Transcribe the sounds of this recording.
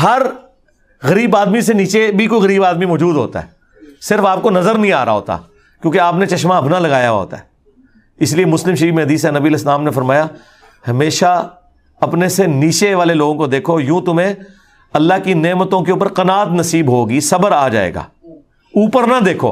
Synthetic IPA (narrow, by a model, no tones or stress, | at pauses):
ɦɐɾ | ɣɐɾiːbaːd̪miseniːt͡ʃebʱikoːiɣɐɾiːbaːd̪mimɔːd͡ʒuːd̪ɦoːt̪a̰ɦɛ̰ː | sɪɾfaːp̚konɐzəɾnɐɦĩaːɾa̰ɦo̰ːt̪a̰ː | kjõːkeaːpnet͡ʃɐʃmaɐbnalɐɡaːjaɦo̰ːt̪a̰ɦɛː | ɪsliemʊslɪ̃mʃɐɾiːmẽɦɐd̪iːsɛnɐbiəleːslaːmnefɐɾmaːja | hɐmeːʃa | ɐpneseniːt͡ʃeʋaːleloːɡõkod̪eːkʰojũːt̪ʊmẽ | ɐlːaɦkineːmət̪õkeuːpəɾqɐnaːt̪nɐsiːbɦoːɡisɐbəɾaːd͡ʒa̰ːḛːɡa̰ː | uːpəɾnad̪eːkʰo̰ː